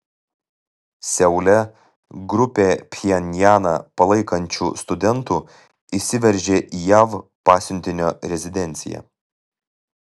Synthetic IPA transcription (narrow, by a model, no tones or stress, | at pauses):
sʲɛʊlʲɛ | ɡɾʊpʲeːpʲjɛnʲjæːnɐ̰pɐlˠɐɪkɐnʲt͡ʃʲṵːst̪ʊd̪ʲɛnt̪uː | isʲɪʋʲɛɾʲʒʲeːʔiːjæʋpɑːsʲʊnʲt̪ʲɪnʲoːɾʲɛzʲɪd̪ʲɛnʲt̪sʲɪjɛ̰